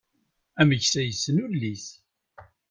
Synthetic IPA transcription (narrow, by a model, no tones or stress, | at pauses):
æməʝsæjəsːənulːiθ